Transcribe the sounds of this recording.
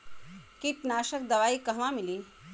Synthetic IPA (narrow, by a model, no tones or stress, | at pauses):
kiʈnaːʃəkd̪ɐʋaːikɐɦʋãmiliː